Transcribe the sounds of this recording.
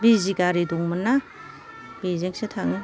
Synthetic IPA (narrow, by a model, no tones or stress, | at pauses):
biziɡaɾiduŋmanːa | b̥izeŋsetʰaŋɯ